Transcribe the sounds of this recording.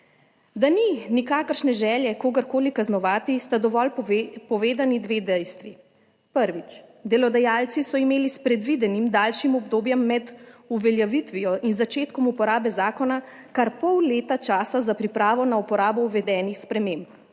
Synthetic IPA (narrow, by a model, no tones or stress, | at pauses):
d̪aninikaːkəɾʃnɛʒɛːljɛkoːɡəɾkoːlikaznɔʋaːt̪ist̪ad̪ɔʋɔlpɔʋeːd̪anid̪ʋeːd̪ɛjst̪ʋi | pəɾʋit͡ʃd̪ɛlɔd̪ajaːlt̪sisɔimeːlispɾɛd̪ʋid̪ɛnimd̪aːlʃimɔbd̪oːbjɛmːɛd̪uʋɛljaʋit̪ʋijɔʔinzat͡ʃeːt̪kɔmupɔɾaːbɛzaːkɔna | kaɾpɔwleːt̪at͡ʃaːsazapɾipɾaːʋɔnaupɔɾaːbɔuʋɛd̪ɛːnixspɾɛmeːmb